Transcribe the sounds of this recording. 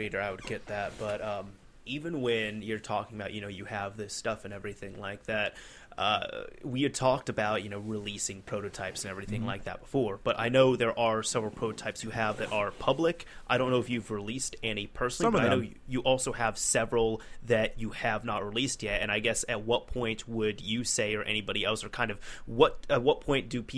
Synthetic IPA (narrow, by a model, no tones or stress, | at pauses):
eɪɾə˞aɪwɨd̚ɡɛt̪̚ðæt̚b̥ʌɾʌ̃m | ivɨ̃nwɨ̃njə˞tʰɔkɪ̃ŋəbaʊʔ̚jɨnoʊjɨɨvðɪstʌfɨ̃nɛvɹiθɪ̃ŋlaɪk̚ðæt̚ | ʔʌ̰wiə˞tʰɔk̚tɨbaʊt̚jɨnoʊɹɪlisɪ̃ŋpʰɹ̥oʊɾɨʊtʰaɪpsɨ̃nɛvɹiθɪ̃ŋlaɪk̚ðɨ̰t̚b̥əfɔɹb̥ʌɾʔa̰ɪnoʊðə˞ʔə˞sɛvɹl̩ˠpʰɹ̥oʊɾɨtʰaɪpsjɨɨvðɨɾʔə˞pʰʌblɪkʔaɪɾõʊ̃nːoʊɨfjɨvɹɪlistɛnipʰɜ˞sn̩ˠbʌanoʊ | jɨʔɔlˠsoʊɨv̥sɛvɹl̩ˠðɨt͡ʃɨɨvnət̚ɹilist̚jɛt̚ɨ̃ñaɪɡɛsɨt̚wʌt̚pʰɔ̃ɪ̃ntwədɨseɪə˞ʔɛ̰ñibɑɾiɛlˠsə˞kʰãɪ̃ndʌv̥wʌt̚ɨt̚wʌt̚pʰɔ̃ɪ̃nd̥ɨpʰi